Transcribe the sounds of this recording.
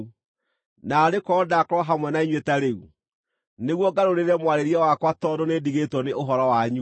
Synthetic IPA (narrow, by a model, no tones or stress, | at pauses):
naɾekɔːdakɾwɔɦamwɛnaiɲwetaɾeu | neɣwɔɡaɾoɾeɾɛmwaɾeɾiɛwakwatɔdonediɣetwɔneʔoɦɔɾɔwaɲu